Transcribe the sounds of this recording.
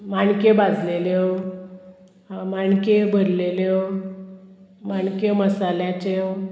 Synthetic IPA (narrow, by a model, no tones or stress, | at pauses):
maɳkebad͡zʱlele | amaɳkebʱəɾlele | maɳkeməsaljat͡ɕe